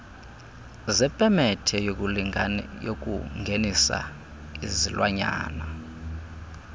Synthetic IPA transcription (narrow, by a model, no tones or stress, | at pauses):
zɛpʼɛmɛtʰɛjou | jokʼṵŋɡʱenisa̰ | izilwaɲa̰ːna